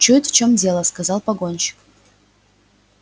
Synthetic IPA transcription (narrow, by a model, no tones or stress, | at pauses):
t͡ʃut̪ʲft͡ɕomdʲe̞lˠəskazɑlˠpɐɡonʲɕɪ̥k